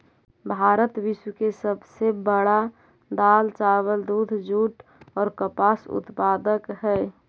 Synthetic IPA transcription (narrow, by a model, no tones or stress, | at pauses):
bʱaːɾət̪ʋɪswəkesəbsebəɽa | d̪aːlt͡ʃawəld̪uːd̪ʱd͡ʒuːʈɔːɾkəpaːsʊ̰t̪paːd̪əkɦɛː